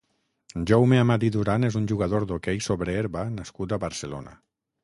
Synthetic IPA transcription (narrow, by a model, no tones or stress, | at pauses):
ʒowmeamad̪iðuɾanezunʲʒuɣaðoɾd̪okejsoβɾeeɾβanaskut̪aβaɾselo̰na̰